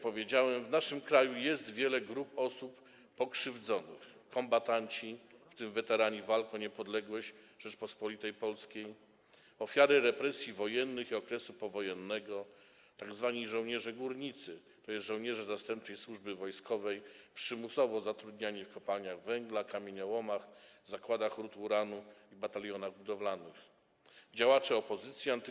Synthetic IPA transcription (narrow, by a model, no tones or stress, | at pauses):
pɔvʲjed͡ʑawɛmvnaʂɘmkɾajujɛst̪vʲjɛlɛɡɾupɔsupː | ɔkʂɘvd̪zɔnɘ̰xkɔmbat̪aɲt͡ɕift̪ɘmvɛt̪ɛɾaɲɛvalkɔ̃ɲɛpɔd̪lɛɡwɔɕ | ʐ̥ɛt͡ʂpɔspɔlʲit̪ɛjpɔlskʲej | ɔfʲjaɾɘɾɛpɾɛsʲjivɔjɛnːɘxiɔkɾɛsupɔvɔjɛnːɛɡɔ | t̪aɡzvaɲijʐɔwɲɛʐɛɡuɾɲit̪sɘ | t̪ɔjɛsʐɔ̃wɲɛʐɛzast̪ɛmp̚t͡ʂɘjswuʐbɘvɔjskʰɔvɛjpʂɘmusɔvɔzat̪ɾud̪ɲaɲifkɔpalɲaɣvɛŋɡlakamʲeɲɛwɔmaxzakwad̪axɾut̪uɾanuibat̪alʲjɔnaɣbud̪ɔvlanɘx | d͡ʑawat͡ʂɛɔpɔzɘt̪sʲjiant̪